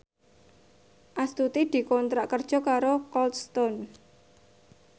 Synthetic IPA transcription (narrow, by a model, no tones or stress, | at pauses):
ʔast̪ut̪id̪̥i̤kɔnt̪ɾaʔkərd̥ʒ̥ɔ̤kaɾokɔlt̪st̪ɔn